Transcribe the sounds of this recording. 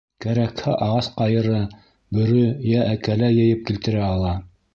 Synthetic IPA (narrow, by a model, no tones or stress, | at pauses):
kæɾækhæʔɑʁɑsqɑjɤ̆ɾɤ | bɵ̆ɾɵjæʔækælæjɘ̆jɘp̚kilt̪ɘ̆ɾæɑlˠɑ